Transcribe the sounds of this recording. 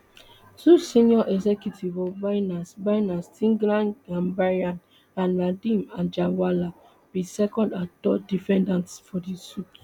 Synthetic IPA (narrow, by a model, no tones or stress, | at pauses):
tusĩnɔʔɛɡzɛkjutʰivɔvaɪnasbajnastʰĩŋɡɾãnãnbaɹiãn | ãnladĩmãnd͡ʒãnwala | b̥isɛkɔ̃ndãtɔdifɛ̃ndãntsfɔdisut